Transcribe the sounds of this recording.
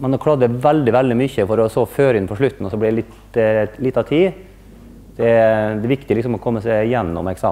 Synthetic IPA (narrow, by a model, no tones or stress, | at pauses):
mɛnɔkʰɽɑd̪əʋɛld̪ɪʋɛld̪ɪmʏçəfɔɾɔsoːføːɾəɪnpʰɔʂɭʉt̪ːn̩ɔsɔblɪd̪ɛlɪt̪ | lɪt̪ːɑt̪ʰiː | d̪̥ɛd̪ɛʋɪkt̪ɪəɪksɔmɔkʰɔmːəsæɪjɛnːɔ̰mɛksɑ̰ː